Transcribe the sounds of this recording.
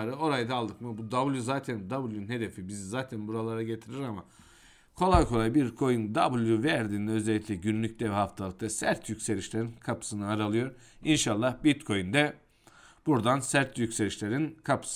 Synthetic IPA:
ɾɯo̞ɾajd̪aːlˠd̪ɯkmɯbud̪abɯlˠjuzaːt̪ʰænd̪abɯlˠjunnhe̞d̪e̞fibizizaːt̪ʰænbuɾalˠaɾaɟe̞t̪ʰiɾiɾama | kʰo̞lˠajkʰo̞lˠajbiɾkʰo̞jund̪abɯlˠjuvæɾd̪iːnd̪ɛø̞zɛlʲːicʲlʲɛɟynylʲyc̚td̪ʲɛvɛhaft̪ʰalˠɯk̚t̪asæɾt̪ʰjycʲse̞lʲiʃlʲe̞ɾinkʰapʰɯ̥sɯnɯaɾalˠɯjo̞ɾ | inʃalˠːahbit̪kʰo̞jynd̪ɛ | b̥uɾd̪ansæɾt̪jycse̞lʲiʃlʲe̞ɾinkʰapʰɯ̥s

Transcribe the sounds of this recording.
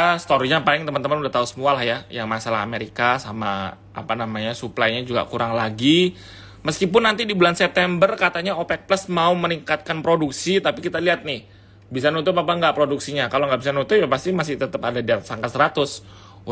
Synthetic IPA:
st̪oɾiɲapalɪŋt̪əmənt̪əmənudaht̪ausəmualahjajaŋmasalaɦa̰meɾikasama | ʔa̰panamaɲasuplajɲad͡ʒuɡa̰kuɾaŋlaɡi | məskipʊnːant̪idibulansɛp̚t̪ɛmbərkat̪aɲaopɛk̚pləsmauməniŋkat̪̚kanpɾoduksit̪apikit̪aliɦat̪̚nɪh | bisanut̪̬ʊp̬apaŋɡaʔpɾoduksiɲakaloŋɡaʔbisanut̪ʊp̚japast̪imasɪht̪ət̪əpadadiat̪saŋkat̪səɾat̪ʊs

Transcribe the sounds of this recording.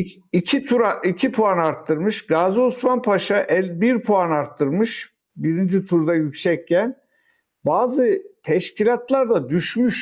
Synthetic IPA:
icʰit̪ʰuɾaicʰipʰuanaɾt̪ʰːɯɾmɯʃɡaːzusmanpʰaʃaʔɛlʲbiɾpʰoanaɾt̪ʰːɯɾmɯʃ | biɾind͡ʒit̪ʰuɾd̪ajycsɛcːæn | baːzɯt̪ʰɛʃcʰilʲat̪lˠaɾd̪ad̪yʃmyʃ

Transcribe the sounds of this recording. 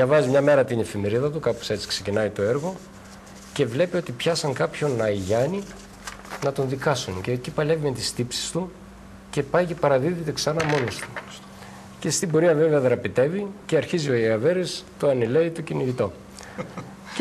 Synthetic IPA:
ɐvɐzimɲɐme̞ɾɐt̪ine̞fime̞ɾiðɐt̪̬ukɐpose̞t͡si̥kse̞cinɐit̪o̞e̞ɾɣo̞ | ce̞vle̞pio̞t̪ipçɐsɐŋkɐpço̞nɐiʝɐni | nɐt̪o̞nðikɐsuncecipɐle̞vimet̪ist̪ipsi̥st̪u | ce̞pɐjce̞pɐɾɐðiðit̪eksɐnɐmo̞nost̪u̥ | ce̞st̪ibo̞ɾiɐve̞veɐðɾɐpit̪e̞viceɐɾçizio̞ɐveɾist̪oɐnele̞it̪ociniʝit̪o̞

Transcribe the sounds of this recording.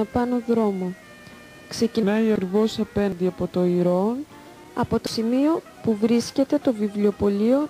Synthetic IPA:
ɐpɐno̞ðɾo̞mo̞ | kse̞cinɐiɐkɾivo̞sɐpe̞nðiɐpo̞t̪o̞iɾo̞n | ɐ̰po̞t̪o̞simio̞ | puvɾisce̞t̪e̞t̪o̞vivlio̞po̞lio̞

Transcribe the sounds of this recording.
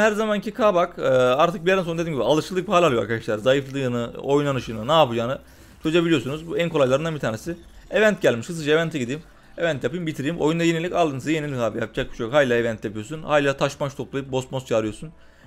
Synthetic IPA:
hæɾzamancʰikʰaːbakːaɾt̪ʰɯk̚bijd̪ænond̪edimɲɟibialˠɯʃɯlˠːɯk̚bhalʲalˠɯoaɾkad̪aʃlˠaɾzajɯflˠɯnɯo̞jnanɯʃɯnɯnaːpɯd͡ʒaːnɯ | t͡ʃʰø̞zuebilʲijo̞sunuzbuænkoajlˠaɾɯnd̪anbit̪ʰaːnesi | evænt̪̚ɟælʲmiʃkɯs̬ɯd͡ʒaevænt̪ʰɛɟid̪iːm | evænt̪japɯjimbit̪ʰiɾijimʔo̞̰jund̪ajenilʲicalˠɯnsaje̞nilʲikaːbijap̚d͡ʒak̚biʃkhaːilʲaevænt̪ʰjapɯjosunhaːlʲat̪ʰaʃmat͡ʃt̪ʰo̞plˠajɯp̚bo̞st̪most͡ʃʰaːɾɯjo̞sun

